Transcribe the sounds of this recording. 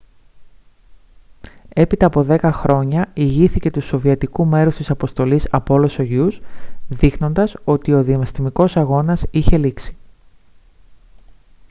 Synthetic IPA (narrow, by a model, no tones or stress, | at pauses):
e̞pit̪ɐːpo̞ðe̞kɐxɾo̞ɲɐiʝiθice̞t̪uso̞viɐt̪ikume̞ɾust̪isɐpo̞st̪o̞lisɐpolo̞so̞ʝusðixno̞nd̪ɐso̞t̪io̞ðiɐmɐst̪imiko̞sɐɣo̞nɐsiçe̞liksi̥